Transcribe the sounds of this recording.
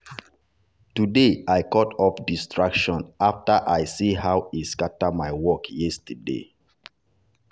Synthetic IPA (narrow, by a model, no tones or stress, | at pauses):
tudeajkɔtɔpdistʰɹakʃɔ̃naftaʔajsihawiskatamaɪwɔkjɛstədḛ